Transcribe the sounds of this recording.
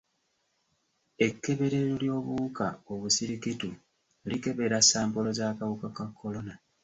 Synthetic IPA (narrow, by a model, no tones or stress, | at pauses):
e̞kːe̞βe̞ɾeɾoljo̞ːβukaoβusiɾikitu | like̞βe̞ɾasaːmpo̞lo̞zaːkaβukakakʰːo̞lo̞na